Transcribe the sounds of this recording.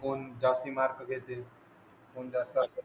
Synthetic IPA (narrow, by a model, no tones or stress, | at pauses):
koːnd͡ʒaːst̪imaːɾkɡʱet̪e | koːnd͡ʒaːst̪a